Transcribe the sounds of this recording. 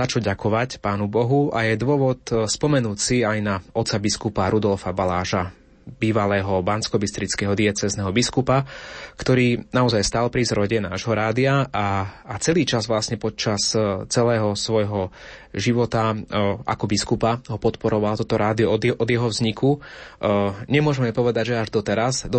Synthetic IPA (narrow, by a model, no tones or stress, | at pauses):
at͡ʃɔɟakɔʋacpaːnubɔɦuajɛd̪ʊɔʋɔt̪spɔmɛnuːcsiajnaɔt̪t͡sabiskupaɾud̪ɔlfabalaːʒa | biːʋalɛːɦɔbanskɔbist̪ɾit͡skɛːɦɔd̪iɛt͡sɛznɛɦɔbiskupakt̪ɔɾiːnaɔzajst̪aːlpɾizɾɔɟɛna̰ːʒɦɔɾaːd̪iaaːt͡sɛliːt͡ʃazʋlasɲɛpɔt̪̚t͡ʃast͡sɛlɛːɦɔsʋɔjɦɔ | ʒiʋɔt̪aʔa̰kɔbiskupaɦɔpɔt̪pɔɾɔʋalt̪ɔt̪ɔɾaːd̪iɔɔʔɔd̪jɛɦɔvzɲiku | ɲɛmʊɔʒɛmɛmɛpɔʋɛd̪aɟʒɛaʒd̪ɔt̪ɛɾasd̪ɔ